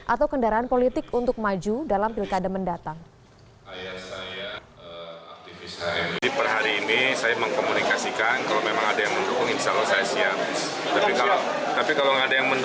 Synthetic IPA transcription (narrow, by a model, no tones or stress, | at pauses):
ʔat̪awkəndaɾaanpolit̪ɪkunt̪ʊk̚mad͡ʒudalampilkadaməndat̪aŋ | ajasaja | əak̚t̪ifɪsaidipərɦaɾiːnisajaməŋkomunikasikankalomemaŋadajaŋmənd̪ukʊŋinsalasajasiat̪̚t̪apikala | t̪apikalaŋadajaŋmənd